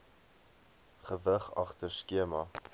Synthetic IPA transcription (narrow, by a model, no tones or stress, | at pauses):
χəvəχɐ̰χtərskiəmɐ